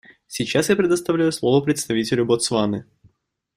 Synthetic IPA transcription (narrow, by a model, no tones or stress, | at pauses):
sʲit͡ɕːasjapɾʲɪd̪əst̪ɐvlʲæjʊslˠovəpɾʲɪt̪st̪ɐvʲitʲɪlʲʊbot̪svanɨ